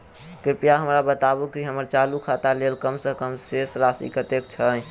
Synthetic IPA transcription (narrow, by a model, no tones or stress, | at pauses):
kɾɪpjaɦəmɾabət̪abukiɦəməɾt͡ʃalukʰat̪alelkəmsəkəmsesɾasḭkət̪ek̚t͡ʃʰə